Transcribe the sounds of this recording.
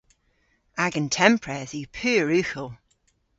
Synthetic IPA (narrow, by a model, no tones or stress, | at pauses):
aɡəntʰɛmpʰɹɛzipʰʉːɹʉˑxəlˠ